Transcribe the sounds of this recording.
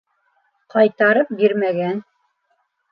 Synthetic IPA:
qɑjt̪ɑɾɤp̚biɾmæɡæn

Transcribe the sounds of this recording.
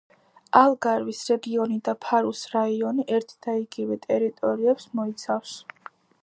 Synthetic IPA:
alˠɡaɾvisɾɛɡiɔnid̪apʰaɾusɾaiɔniʔɛɾt̪ʰd̪̥aiɡivɛt̪ʼɛɾit̪ʼɔɾiɛpsmɔit̪sʰafs

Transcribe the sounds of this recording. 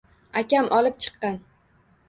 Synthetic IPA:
akʲamʔɒlˠɪp̚t͡ʃʰɨ̥qːɑn

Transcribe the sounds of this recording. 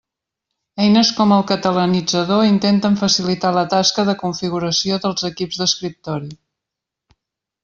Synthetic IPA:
ɛjnəskɔməlˠkət̪ələnid͡zəðoint̪ent̪əɱfəsilit̪alət̪askəðəkuɱfiɣuɾəsioðəlˠzəkibzðəskɾip̚t̪ɔɾi

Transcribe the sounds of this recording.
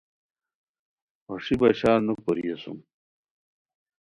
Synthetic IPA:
oʂibɐɕaːnuk̚poɾḭjɐsṵm

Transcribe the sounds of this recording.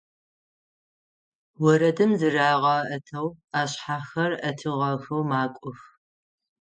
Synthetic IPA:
wɔɾɐdɨmzɨraːʁɑʔɐtʰɐwaːɕħaːxɐrɐtʰɨʁɐxɨwmaːkʷʼʊx

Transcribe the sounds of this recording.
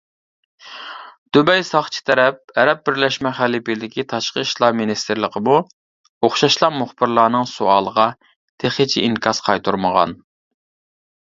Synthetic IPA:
d̪̥ybɛjsɑχt͡ʃʰi̥t̪ʰɛɾɛp̚ɛɾɛp̚bɪɾlɛʃmɛχælipid̪ɪkʲit̪ʰɑʃqəiʃlˠɑminist̪ɪɾlˠəqʰəmu | oχʃɑʃlˠɑmuχbɪɾlˠɑːnɨŋsuɑːlˠəʁɑ | t̪ʰeχɪt͡ʃʰḭʔiŋkʰɑsqʰɑjt̪ʰuɾməʁɑ̰n

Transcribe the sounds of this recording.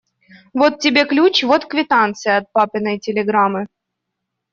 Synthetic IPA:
vot̪̚tʲːɪbʲe̞klʲut͡ɕvot̪kvʲɪt̪ant̪sɨjɐt̪̚papʲɪnəjtʲɪlʲɪɡɾamɨ

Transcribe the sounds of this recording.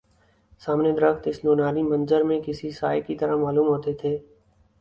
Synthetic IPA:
saːmned̪əɾəkt̪ɪsnoːnaːɾimɐ̃nzəɾmẽkɪsisaːjekit̪ɐɾamaːluːmɦoːt̪et̪ʰeː

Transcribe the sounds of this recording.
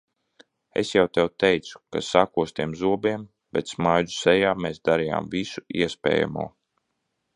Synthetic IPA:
ḛsjawt̪ɛwt̪ɛjt̪su̥kasakuɔst̪iɛmzuɔbiɛm | b̥ɛt̪smajd̪u̥sɛjaːmeːsd̪aɾija̰ːmvisuiɛspʲɛ̰ːja̰mṵɔː

